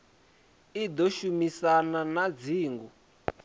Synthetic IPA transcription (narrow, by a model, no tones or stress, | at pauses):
id̪oʃumisananad͡ziːŋɡu